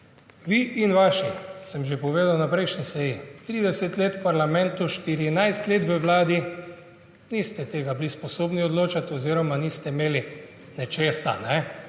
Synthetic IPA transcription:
ʋiʔinʋaːʃisəmʒepɔʋeːd̪awnapɾɛjʃnisɛjit̪ɾiːd̪ɛsɛt̪leːt̪wpaɾlamɛ̃nt̪uʃt̪iɾinajst̪leːt̪ʋəʋlaːd̪i | nist̪ɛt̪eːɡablispɔsoːbniɔd̪loːt͡ʃat̪ɔziːɾɔmanist̪ɛimeːli | nɛt͡ʃeːsa̰nɛ

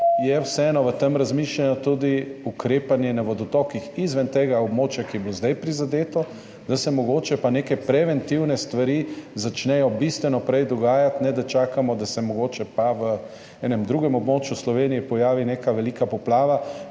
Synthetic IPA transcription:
jɛwsɛɛːnɔʋət̪əmɾazmiʃlʲanɔt̪ud̪iukɾeːpanjɛnaʋɔd̪ɔt̪ɔkixizʋɛnt̪eːɡaobmoːt͡ʃjakijɛblozd̪ajpɾizad̪eːt̪ɔ | d̪asɛmɔɡoːt͡ʃɛpaneːkɛpɾɛʋɛnt̪iwnɛst̪ʋaɾizat͡ʃnɛjɔbist̪ʋɛnɔpɾɛjd̪ɔɡaːjat̪nɛd̪at͡ʃaːkamɔd̪asɛmɔɡoːt͡ʃɛpaʋə | ɛːnɛmd̪ɾuːɡɛmɔbmoːt͡ʃjuslɔʋeːnijɛpɔjaːʋinekaʋɛlikapɔplaːʋa

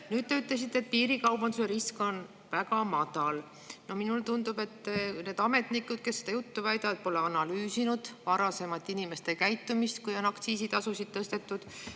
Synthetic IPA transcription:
nyːd̪̥t̪e̞yt̪ˑle̞s̬it̪ːet̪̚piːɾikɑwbɑnd̪use̞ɾisko̞n | væɡɑmɑd̪̥ɑl | no̞hminult̪und̪ube̞t̪ːne̞ːd̪̥ɑme̞t̪nikːˑud̪̥̚ke̞sːed̪ɑjut̪ːuvæjd̪ɑvd̪̥̚po̞le̞ɑnɑlyːsinud̪̥vɑɾɑse̞mɑt̪ːˑinime̞st̪e̞kæjt̪ːˑumist̪kujo̞nɑkt̪siːsit̪ɑsusid̪̥̚t̪ːɤst̪e̞t̪ːˑud̪̥

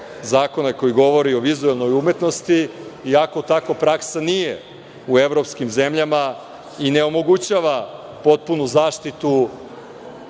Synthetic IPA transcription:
zaːko̞nako̞jiɡo̞ʋo̞ɾio̞ʋizuelˠno̞jumet̪no̞st̪iːako̞t̪akopɾaksanijḛ | ue̞ʋɾo̞pskimze̞mʎama | ine̞o̞mo̞ɡut͡ɕaʋa | po̞t̪̚punuzaːʃt̪it̪u

